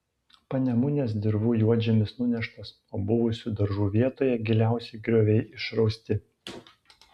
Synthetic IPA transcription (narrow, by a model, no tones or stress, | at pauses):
pɐnʲɛmʊnʲeːs̬d̪ʲɪɾʋuːjuɔd͡ʒʲɛmʲɪsnʊnʲɛʃt̪ɐs | oːbʊʋʊsʲʊd̪ɐɾʒuːʋʲiɛt̪oːjɛɡʲɪlʲæˑʊsʲɛɪɡɾʲoːʋʲɛɪʔɪʃɾɒʊsʲt̪ʲɪ